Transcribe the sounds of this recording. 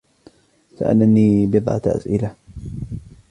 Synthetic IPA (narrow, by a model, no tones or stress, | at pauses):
sa̰ʔa̰laniːbɪðˤʕɑ̰t̪ʔa̰sʔɪla